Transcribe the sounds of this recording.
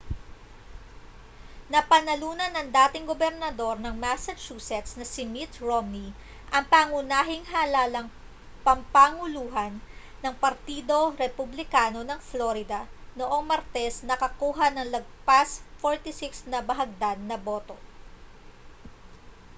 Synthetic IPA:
nɐpɐnɐluːnɐnɐŋd̪aːt̪ɪŋɡobɛɾnɐd̪o̞ɾnɐŋmasɐt͡ʃuːsɛt̪snɐsɪmit̪ɹomni | ʔɐŋpaːŋʊnaːɦɪŋɦalaːlɐŋ | pɐmpaːŋʊluːɦɐnː | ɐŋpɐɾt̪id̪o̞ɾɛpʊblɪkaːno̞nɐŋfloɾɪd̪ɐno̞ʔo̞ŋmɐɾt̪ɛsnɐkɐkuːɦɐnɐŋlɐɡ̚pasfoɹt̪isɪksnɐbɐɦɐɡ̚d̪ad̪̚nɐbo̞ːt̪o̞

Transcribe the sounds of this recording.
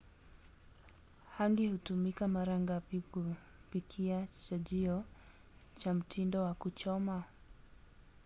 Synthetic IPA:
haŋɡihutumikamaɾaŋɡapiku | pikʰiat͡ʃaʄiɔ | t͡ʃam̩tʰindɔwakut͡ʃɔma

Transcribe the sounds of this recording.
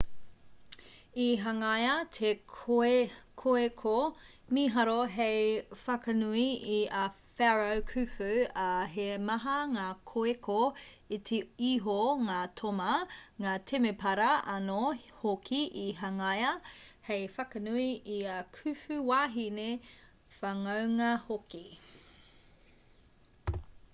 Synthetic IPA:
iɦɐŋɐjɐtʰekʰoekʰoekʰo | miɦɐɾoɦejfɐkɐnuiiɐ | fɛɹowkʰʉfʉɐɦemɐɦɐŋaːkʰoekʰoit̪ʰeiɦoŋaːtʰomɐŋaːt̪ʰemepʰɐɾɐɐnohokʰiʔiɦɐŋɐjɐhejfɐkɐnuiiɐkʰʉfʉwaːɦine | fɐŋɐwŋɐhoki

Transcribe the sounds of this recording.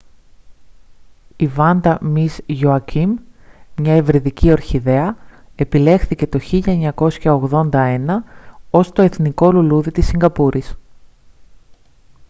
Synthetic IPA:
ivɐnd̪ɐmizʝoɐcimːɲɐevɾiðicio̞ɾçiðe̞ɐ | e̞pile̞xθice̞t̪o̞çiʎɐeɲɐko̞sçɐoɣðo̞nd̪ɐe̞nɐo̞st̪o̞eθniko̞luluðit̪isːiŋɡɐpuɾʔis

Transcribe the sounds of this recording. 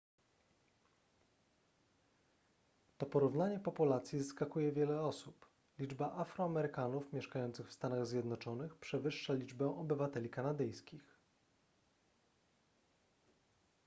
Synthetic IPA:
t̪ɔpɔɾuvnaɲɛpɔpulat̪sʲjizaskakujɛvʲjɛlɛɔsup | lʲid͡ʐbaʔafɾɔamɛɾɘkanufmʲɛʂkajɔnt̪sɘxfst̪anaɣzʲjɛd̪nɔt͡ʂɔnɘxpʂɛvɘʂːalʲid͡ʐbɛ̃ʔɔbɘvat̪ɛlʲikanad̪ɘjskʲix

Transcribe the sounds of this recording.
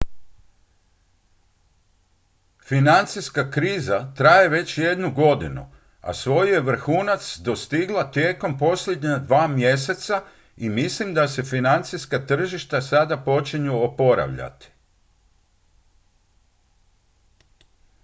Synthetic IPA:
finant̪siskakɾiːzat̪ɾaje̞ʋe̞t͡ɕje̞d̪nuɡo̞d̪inṵ | a̰sʋo̞jje̞ʋr̩xuːnat̪sd̪o̞st̪iɡlˠat̪je̞ːko̞mpo̞slʲed̪ɲad̪ʋaːmje̞se̞t̪sa | imislimd̪ase̞finant̪siskat̪r̩ʒiʃt̪asad̪apo̞t͡ʃiɲuopo̞ɾa̰ʋʎa̰t̪i̥

